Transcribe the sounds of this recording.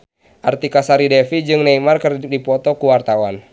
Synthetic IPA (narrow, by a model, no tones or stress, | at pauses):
ʔart̪ikasaɾidɛfid͡ʒɨŋnaimarkərdipɔt̪ɔkuwart̪awan